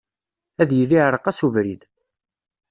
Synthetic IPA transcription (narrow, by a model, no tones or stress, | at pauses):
æðjəlːiʕɾˤəqːæsuvɾið